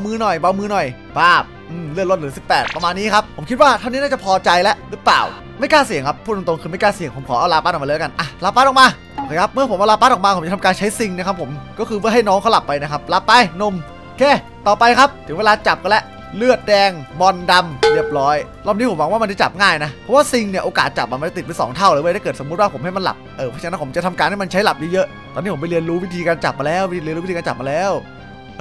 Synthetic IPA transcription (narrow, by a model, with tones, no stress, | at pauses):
a˧wmɯː˦˥nɔ˨˩jba˧˥˩wmɯː˦˥nɔ˨˩j | baː˧˥˩p̚ʔɯː˧˩mlɯ˥˩t̪̚lo˥˩t̪̚ɾɯː˨˦si˨˩pːɛː˨˩t̪̚pːa˧maː˧nːiː˦˥kʰa˦˥pʰo˩˦mkʰi˦˥t̪waː˥˩t̪ʰa˥˩ni˦˥naː˥˩t͡ɕa˨˩pʰɔː˧t͡ɕa˧jlɛ˦˥ʔɾɯː˦˥pla̰ː˨˩w | ma˥˩jkaː˥˩si˨˩˦əŋkʰa˦˥pʰːu˥˩˨t̪o˧ŋkʰɯː˧ma˥˩jkaː˥˩si˨˩˦əŋpʰo˩˦mkʰɔː˩˦aː˧wlaː˧paː˥˩ɔ˨˩mːaː˧˦˧ka˧nʔa˧˩laː˧paː˥˩n̚ɔ˨˩maː˧ | kʰaː˨˩jkʰa˦˥p̚mɯ˥˩ɐpʰo˩˦ʔa˧wlaː˧paː˥˩ʔɔː˨˩maː˧po˨˩˦mt͡ɕt̪ʰa˧kaː˧nt͡ɕʰa˦˥jsi˧ŋna˥˩kʰa˦˥pʰːo˩˦mkɔː˥˩kʰɯː˧mɯ˥əha˥˩jnɔː˦˥ŋkʰa˦˥wla˨˩pːa˧jna˦˥kʰa˦˥p̚la˧˥pːa˧˥jno˧˩m | kʰeː˧˩ | t̪ɔː˨˩pa˧jkʰa˦˥p̚t̪ʰɯ˨˩˦ŋwe˧laː˧t͡ɕa˨˩p̚ka˧lɛ˦˥ʔ | lɯ˥˩ət̪̚dɛː˧ŋbɔ˧nda˧mɾi˥˩əp̚ɾɔː˦˥jɾɔː˥˩ni˦˥pʰo˩˦mwa˨˦wa˥˩a˧nt͡ɕa˨˩t͡ɕa̰˨˩p̚ŋaː˥˩jna˦˥pʰɔ˦˥waː˥˩si˧ŋni˧˩əʔoː˧kaː˨˩t̪̚t͡ɕa˨˩p̚ma˧ma˧t͡ɕa˨˩t̪i˨˩t̪̚pe˧jsɔ̰ː˩˦ŋt̪ʰa˥˩wɾɯː˨˦baː˧jt̪ʰaː˥˩k̪̚ːso˩˦mu˦˥t̪̚waː˥˩pʰo˩˦mha˥˩jma˧nla̰˨˩p̚ʔɤː˧˩˦t͡ɕa˧˦˥pʰo˩˦mt͡ɕa˨t̪ʰa˧mkaː˧nha˥˩jma˧nt͡ɕʰa˦˥jla˨˩p̚jɤ˧˥˩jɤ˦˥ʔ | t̪ɔː˧ni˦˥pʰpa˧jli˧ənɾuː˦˥wi˦˥t̪ʰiː˧kaː˧nt͡ɕa̰˨˩p̚maː˧lɛː˦˥˩wli˧nɾʰiː˧aː˧t͡ɕa˨˩p̚maː˧lɛː˦˥˩w